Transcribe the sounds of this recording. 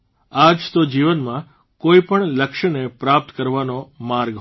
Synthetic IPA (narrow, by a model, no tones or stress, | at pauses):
ad͡ʒt̪od͡ʒiʋənmã | koipəɳləkʃənepɾap̚t̪kəɾʋanomaɾɡɦ